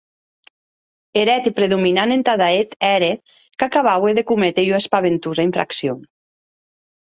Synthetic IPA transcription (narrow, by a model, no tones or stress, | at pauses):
eɾɛt̪ipɾeðuminanent̪aðaet̪ɛɾe | kakaβaweðekumet̪ejuwespaβent̪uzaiɱfɾa̰ksjon